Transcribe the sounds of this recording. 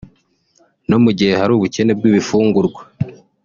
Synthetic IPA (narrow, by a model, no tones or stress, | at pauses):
no̞muɟihe̞haɾuːβuce̞ne̞b̚ɡwiːβifuːŋɡuɾɡwa